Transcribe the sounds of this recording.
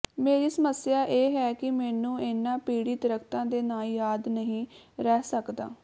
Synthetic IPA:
meːɾiːsəməsjaːʔeːɦɛːkɪmɛːnũːɪnːãːpiːɽiːt̪əɾəkʰt̪ãːd̪eːnaːljaːd̪nəɦĩːɾɛːsəkd̪a̰ː

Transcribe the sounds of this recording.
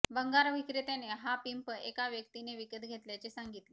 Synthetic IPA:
bəŋɡaɾʋikɾet̪eneɦapimpəekaʋjək̚t̪ineʋikət̪ɡʱet̪ljat͡ɕesaŋɡit̪le

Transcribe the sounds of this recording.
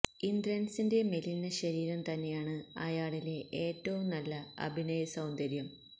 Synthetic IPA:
ind̪ɾɐnsinde̞melinːɐɕɐɾiːɾɐmt̪ɐnːe̞jaːɳɨɐjaːɭile̞ʔeːtːɐʋumnɐlːɐɐ̰bʱinɐjɐsɐwnd̪ɐɾjɐm

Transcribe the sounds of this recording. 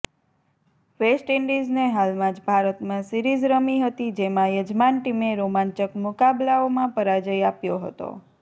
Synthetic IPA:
ʋesʈiɳɖizneɦalmãd͡ʒbʱaɾət̪mãsiɾid͡ʒɾəmiɦət̪id͡ʒemãjəd͡ʒmanʈimeɾomaɲt͡ʃəkmʊkablaomãpəɾad͡ʒəjapjoɦə̰t̪o̰

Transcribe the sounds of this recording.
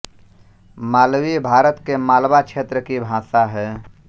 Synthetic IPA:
maːlwibʱaːɾət̪kemaːlbakt͡ʃʰet̪ɾəkibʱãːsaɦɛː

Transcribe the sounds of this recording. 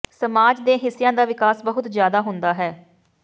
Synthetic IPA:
səmaːd͡ʒd̪ẽːɦɪsːɪjãːd̪aːʋɪkaːsbəɦʊt̪zjaːd̪aːɦʊnd̪aːɦɛː

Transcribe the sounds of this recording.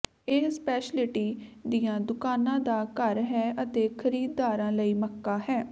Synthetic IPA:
ɪspɛːʃlɪʈiːd̪ijãːd̪ʊkaːnãːd̪aːkəɾɦɛːʔət̪eːkʰəɾiːd̪ːaːɾãːləiːməkːaːɦɛː

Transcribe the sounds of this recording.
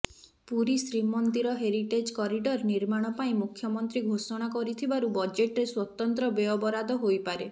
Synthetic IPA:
puɾisɾimɔnt̪iɾɔɦeɾiʈed͡ʒkɔɾiɖɔɾniɾmaɽ̃ɔpaĩmukʰjɔmɔnt̪ɾiɡʱosɔɽ̃akɔɾit̪ʰibaɾubɔd͡ʒeʈɾeswɔt̪ɔnt̪ɾɔbeɔbɔɾad̪ɔɦojpaɾe

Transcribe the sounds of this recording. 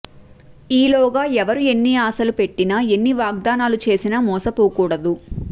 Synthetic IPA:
iːlɔːɡaːɛʋɐɾue̞nːiaːsɐlupe̞ʈːinɐe̞nːiʋaːɡ̚d̪aːnaːlut͡ʃe̞ːsinɐmɔːsɐpuːkuːɽɐd̪u

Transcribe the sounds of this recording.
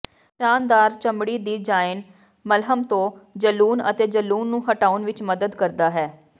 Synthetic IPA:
ʈaːnd̪aːɾt͡ʃəmɽiːd̪iːd͡ʒaːɪn | məlɦəmt̪õːd͡ʒəluːnət̪eːd͡ʒəluːnːũːɦəʈaːʊnʋɪt͡ʃməd̪əd̪kəɾd̪aːɦɛː

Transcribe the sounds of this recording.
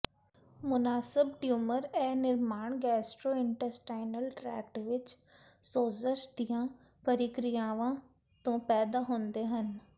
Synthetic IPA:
mʊnaːsɪbʈjuːməɾɛːnɪɾmaːɳ̃ɡɛːsʈɾoːɪ̃ɳʈəɾsʈaːɪnəlʈɾɛ̰ːkʈʋɪt͡ʃ | soːzəʃd̪ijãː | pəɾiːkɾijãːʋã | t̪õːpɛːd̪aːɦõːnd̪eːɦən

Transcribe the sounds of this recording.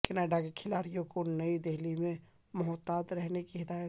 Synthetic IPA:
kɪnaɖaɡkʰɪlaːɾijõkonəid̪eɦlimẽ | mʊɦɔt̪ːaːt̪ɾɛɦnekiɦɪd̪aːjət̪

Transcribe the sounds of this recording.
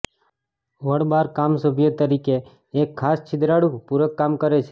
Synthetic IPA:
ʋəɽbaɾkamsobʱijət̪əɾikeː | kʰːaːst͡ʃʰɪd̪ɾaɽupuɾəkːamkəɾet͡ʃʰe̥

